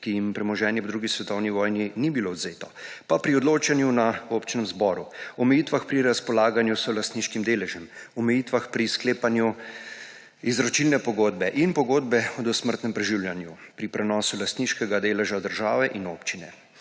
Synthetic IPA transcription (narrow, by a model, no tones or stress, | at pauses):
kijimpɾɛmɔʒɛːnjiwd̪ɾuːɡisʋɛt̪ɔwniʋɔːjninibiloɔd̪zeːt̪ɔpapɾiɔd̪loːt͡ʃanjunaopt͡ʃinɛmzbɔːɾuɔmɛjit̪ʋaxpɾiɾaspɔlaːɡanjusɔlast̪niʃkimd̪eːlɛʒɛmɔmɛjiːt̪ʋaxpɾiskleːpanju | izɾɔt͡ʃilnɛpɔɡoːd̪̚bɛʔinpɔɡoːd̪̚bɛɔd̪ɔsməɾt̪nɛmpɾɛʒiwljanjupɾipɾɛnɔːsulast̪niːʃkɛɡad̪eːlɛʒad̪əɾʒaːʋɛʔinoːpt͡ʃinɛ